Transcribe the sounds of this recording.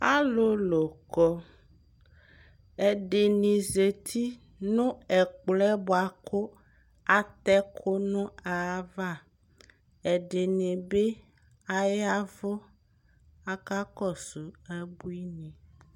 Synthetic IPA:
a˦lo˦lo˨kɔ˦ | e˨ɖe˨nĩ˨ze˨t̪ʰi˦ | nõ˦ɛ˨k͡plɛ˦bɔ˨a˨kʰo˦ | a˨t̪ɛ˦kʰo˦nũ˦a˨˦va˦˨ | e˨ɖe˨nẽ˨be˦ | a˦ja˦vo˦ | a˦ka˦kɔ˦su˨ɛ˦bu˦i˦nĩ˨

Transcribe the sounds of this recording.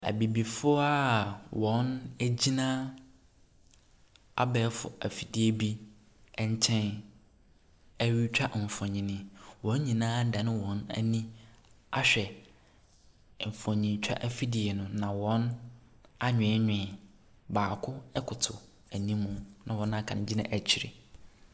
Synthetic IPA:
æ̰˨bi˨bi˨fʊ˦a˦wɔ̃˨˦næ˦d͡ʑi˦nãː˦ | a̰˦bɛ˨˦fʊ̰˨æ̰˨fi˨dɪ˦e˨bi˦ | ɲ˦t͡ɕʰɛ̃˦n | æ˦ɥi˦t͡ɕᶣa˦ʔm̩˨fɔ̃˨ɲĩ˨nɪ̃˨wɔ̃˨˦ɲ˦ɲĩ˨nãː˦da˨nɪ̃˦wɔ̃˨˦næ̰˦nĩ˦ | a̰˦ɕᶣɛ˨ | m̩˨fɔ̃˨ɲĩ˨˦t͡ɕᶣa̰˦ʔæ˨fi˦di˨e˨nʊ̃˨nã˨wɔ̃˦n | a˦ɲᶣɪ̃˨˦ɲᶣɪ̃˨ | baː˨kʰʊ˦ɛ˦kʰʊ˨tʰʊ˨ | æ˨nĩ˦mũ˨nã˨wɔ̃˨˦nã˦˨kʰã˨nɪ̃˨˦d͡ʑi˦nã̰˦ʔæ˨t͡ɕʰi˨ɾḛ˨

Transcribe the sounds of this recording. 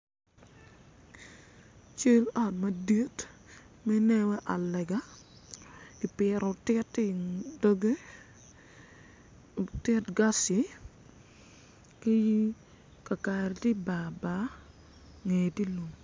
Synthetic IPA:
t͡ʃe˦lɔ˨t̚ma˨di˦t | mɛ˦nɛ˦wɛ˦ʔa˨lɛ˨ɡa˦ | i˨pɪ˨ɾɔ˨tɪ˦tːɪ˨do˦ɡe˦ | tɪ˦tɡa˦si˨ | ki˦ji˦ | ka˨ka˨ɾti˦ba˨ba˨˦ | ŋe˨ti˦lo˨ŋ

